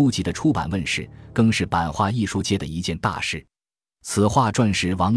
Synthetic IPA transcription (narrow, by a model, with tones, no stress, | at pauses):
u˥t͡ɕi˧˥d̪ə˧ʈ͡ʂʰu˥pa̰˨˩nwə˥˧nʂɻ̩˥˩kɤ˥˧ŋʂɻ̩˥˩pa˨˩nxwa˥˧i˥˩ʂu˥t͡ɕjɛ˥d̪ə˩i˧˥t͡ɕjɛ˥˧nt̪a̰˥˧ʂɻ̩˥˩ | t͡sʰɹ̩˨˩xwa˥˧ʈ͡ʂwa˥˩nʂɻ̩˧˥wɑ˧˥ŋ